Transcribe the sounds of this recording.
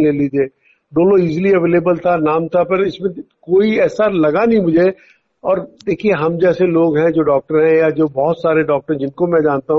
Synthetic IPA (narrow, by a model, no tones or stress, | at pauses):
leːliːd͡ʒ̪eː | ɖoːloiːzliɐʋeːleːbəlt̪ʰanaːmt̪ʰapɐɾɪsmẽkoːiɛːsalɐɡanɐɦĩmʊd͡ʒʱe | ɔːɾd̪eːkʰieɦɐmd͡ʒɛːseloːɡɦɛ̃d͡ʒoːɖɔːk̚ʈəɾɦɛ̃jad͡ʒoːbɔɦʊt̪saːɾeɖɔːk̚ʈəɾẽd͡ʒɪnkomɛ̃d͡ʒaːnt̪aɦ